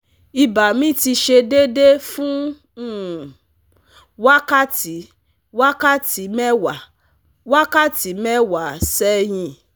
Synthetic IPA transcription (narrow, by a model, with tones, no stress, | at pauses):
i˧ba˨mĩ˦ti˧ʃe˧de˦de˦fũ˦ | ũ˦˨ | wa˦ka˦ti˨˦ | wa˦ka˦ti˨˦mɛ˦wa˨ | wa˦ka˦ti˨˦mɛ˦wa˨sɛ˦j̃ĩ˧˨